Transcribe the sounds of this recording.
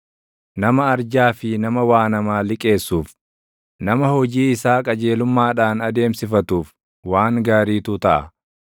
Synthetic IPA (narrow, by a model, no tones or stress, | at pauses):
nɐmɐɐɾd͡ʒaːfɪnɐmɐwaːnɐmaːlɪkʼe̞ːsːuːf | nɐmɐhɔd͡ʒiːɪsaːkʼɐd͡ʒe̞ːlʊmːaːᶑaːnɐd̪e̞ːmsɪfɐt̪uːf | waːŋɡaːɾiːt̪ʊt̪ɐʔɐ